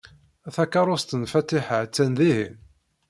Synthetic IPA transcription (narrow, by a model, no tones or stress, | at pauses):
æθækːɑɾˤʊst̪ənfæt̪ɪħaʕt͡sːænðihḭn